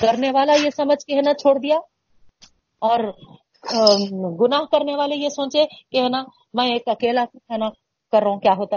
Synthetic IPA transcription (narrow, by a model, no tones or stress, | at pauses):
kɐɾneʋaːlajesɐməd͡ʒʱkeɦɛnat͡ʃʰoːɽd̪ija | ɔːɾ | ɡʊnaːɦkɐɾneʋaːlejesõːt͡ʃekeɦna | mɛ̃eːkɐkeːlakitʰɛna | kɐɾːəɦũkjaːɦoːt̪a